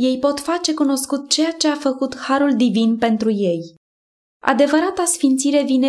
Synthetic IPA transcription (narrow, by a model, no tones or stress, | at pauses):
je̞jpo̞t̪fat͡ʃe̞kuno̞skut̪̚t͡ʃe̞jat͡ʃe̞afəkut̪haɾuld̪ivinpe̞nt̪ɾuje̞j | a̰d̪e̞vəɾat̪asfint̪siɾe̞vine